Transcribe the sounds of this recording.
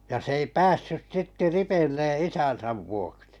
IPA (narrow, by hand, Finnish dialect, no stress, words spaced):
jɑ s ei pæːsːys sitːe ripeĭlːe isæn̞sæʋ ʋuoksi